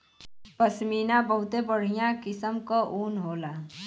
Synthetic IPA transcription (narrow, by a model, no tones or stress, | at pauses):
pəsmiːnabəɦʊt̪ebəɽ̤ijãkɪsəmkoʔuːnɦoːlaː